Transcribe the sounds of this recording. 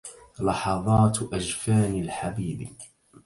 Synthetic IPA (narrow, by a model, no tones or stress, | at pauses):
lɑħɑðˤɑːt̪ʔad͡ʒfaːnalħabiːb